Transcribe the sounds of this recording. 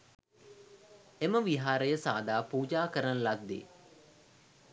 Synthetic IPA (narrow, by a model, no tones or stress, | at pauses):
eməʋiɦaːɾəjəsa̰ːd̪aːpuːd͡ʒaːkəɾənlad̪ːḛː